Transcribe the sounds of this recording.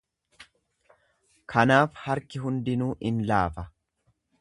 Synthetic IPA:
kʰɐnaːfhɐɾkɪɦʊnd̪ɪnuːʔɪnlaːfɐ

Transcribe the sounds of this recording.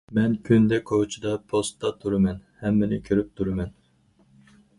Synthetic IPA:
mɛnkʲʰynd̪ɛkʰot͡ʃʰid̪ɑpʰost̪ːɑt̪ʰuɾɨmɛnhɛmːɪnɪkʲʰøɾyp̚t̪ʰuɾɨmɛn

